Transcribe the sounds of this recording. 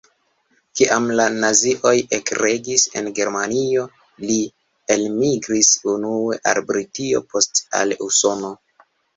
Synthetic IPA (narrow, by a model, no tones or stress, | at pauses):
kiʔamlanaziʔo̞jekɾe̞ɡise̞̰nɡe̞ɾmanio̞ | li | e̞lmiɡɾisunue̞ʔa̰lbɾitio̞̰po̞sta̰luso̞no̞